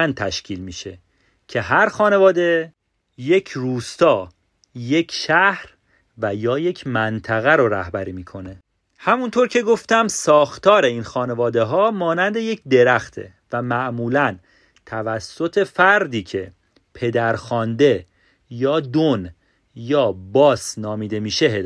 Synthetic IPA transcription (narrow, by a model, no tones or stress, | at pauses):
ænt̪ʰæʃcʰiːlmiːʃe̞ | cʰe̞ɦæɾxɒːne̞vɒːd̪e̞ | je̞cʰruːst̪ɒː | je̞cʰʃæhɾ | væjɒːje̞cʰmænt̪ʰæɣæɾoɾæhbæɾiːmiːkʰo̞ne̞ | hæmunt̪ʰo̞ɾcʰe̞ɡo̞ft̪æmsɒːxt̪ʰɒːɾe̞inxɒːne̞vɒːd̪e̞ɦɒːmɒːnænd̪e̞je̞cʰd̪e̞ɾæxt̪ʰḛ | væmæʔmuːlæn | t̪ʰævæsːo̞t̪ʰe̞fæɾd̪iːcʰe̞ | pʰe̞d̪æɾxɒːnd̪e̞ | jɒːd̪on | jɒːbɒːsnɒːmiːd̪e̞miːʃe̞ɦe